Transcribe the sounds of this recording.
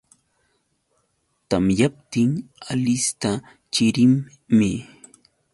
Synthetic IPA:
t̪amjap̚t̪ɪŋalɪst̪a | t͡ʃɪɾɪmː | ɪ

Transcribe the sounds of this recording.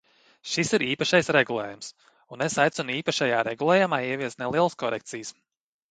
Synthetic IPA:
ʃisiɾiːpaʃajsɾeɡulˠɛ̰ːjums | unesajt̪sɔniːpaʃajaːɾeɡulˠɛjumaːiɛvʲiɛst̪nelˠiɛlˠskɔɾɛkt̪sijs

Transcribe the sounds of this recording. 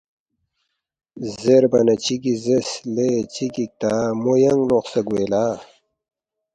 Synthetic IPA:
zeɾbɐnɐt͡ɕiɡizeslet͡ɕiɡik̚t̪amojɐŋɡloχsɐɡweːlaː

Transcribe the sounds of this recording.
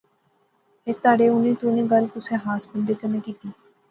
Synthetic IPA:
et̪aːɖeːʊnĩːt̪uːnẽːɡəlpʊsẽːɦaːsbənd̪eːkəneːkiːt̪iː

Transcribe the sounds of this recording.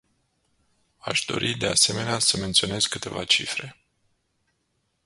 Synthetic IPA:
aʃd̪o̞̰ɾʔid̪e̞ase̞me̞neasəme̞nt̪sio̞ne̞zkɨt̪e̞va̰t͡ʃifɾe̞

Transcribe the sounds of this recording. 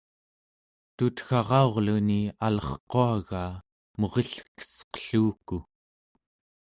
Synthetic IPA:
t̪ut̪xɑʁɑo̞ʁlunialʌχqoaɣaː | mo̞ʁeɬkə̥sqə̥ɬuːku

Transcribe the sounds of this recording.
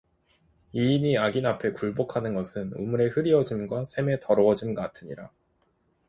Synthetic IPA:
iːɲiaɡinapʰe̞kuɭbokʰanɯnɡʌsʰɯnɯ̰muɾe̞hɯɾiʌd͡ʑimɡwasʰe̞me̞tʌɾʌʌd͡ʑimɡʌatʰɯɲiɾa

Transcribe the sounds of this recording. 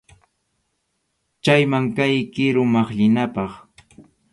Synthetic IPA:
t͡ʃajmaŋkajkɪɾʊmɑχʎɪnapɑχ

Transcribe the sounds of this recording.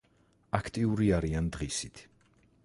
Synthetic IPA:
akʰt̪ʼiuɾiaɾiand̪ʁisit̪ʰ

